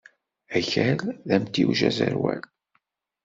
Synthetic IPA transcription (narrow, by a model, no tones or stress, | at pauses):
æçælðæmt̪iwʒæzəɾwæl